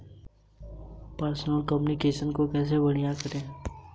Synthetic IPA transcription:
pəɾsnəlkəmjunikeːʃənkokɛːs̬ebɐɽ̤̃ijakɐɾẽː

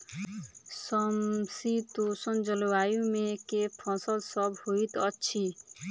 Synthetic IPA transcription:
səmsit̪osənd͡ʒəlʋajũmẽkepʰɔ̃səlsɔbhoit̪ʌtːʃʰi

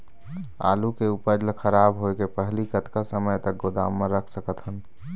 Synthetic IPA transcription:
a̰lukeupəd͡ʒlkʰəɾabɦoekepəɦlikət̪kasəməjt̪ək̚ɡod̪a̰mːə̃ɾəkʰsəkət̪ɦən

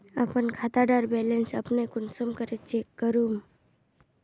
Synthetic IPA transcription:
a̰pənkʰat̪aɖaɾbelensəpnekunsəmkəɾet͡ʃekkəɾum

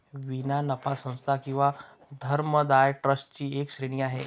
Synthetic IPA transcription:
ʋinanəpʰasə̃nst̪ʰakĩw̃ʋa | d̪ʱəɾməd̪ajʈɾəsʈ̚t͡ɕiːeːkʃɾeɽ̃ijaɦeː

